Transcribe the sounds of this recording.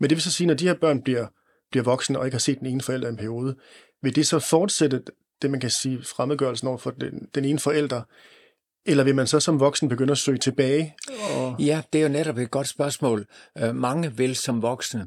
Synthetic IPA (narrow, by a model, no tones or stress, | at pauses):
mend̥e̝ʋe̝s̬ɒ̽siːnɒd̥ihe̝ɐb̥ɶɐ̰nb̥liɐ̰ | b̥liɐʋɒ̽ɡ̥snəɒ̽e̝ɡ̥əhɑ̈se̝̰ːd̥eneːnəfɒ̽el̰d̥ɐe̝npʰæɐio̝ːð̞ˠə | ʋe̝ld̥e̝sɒ̽fɒːd̥sed̥ə | d̥e̝mænkʰæsiːfʁamð̩ˠɡ̥ɶɐlsn̩ɒ̰ʊɐfɒdend̥ene̝ːnəfɒ̽el̰d̥ʁɐ | elɐʋe̝mænsɒ̽sɒ̽mʋɒ̽ɡ̥snəb̥e̝ɡ̥øn̰ɐɒsø̰ːt͡sʰe̝b̥ɛːɪɒjæd̥e̝æɐjoneɾɒb̥ed̥̚ɡ̥ɒ̽d̥sb̥ɶɐsmɔ̰̽ːlmɑ̈ŋəʋelsɒmʋɒɡ̥snə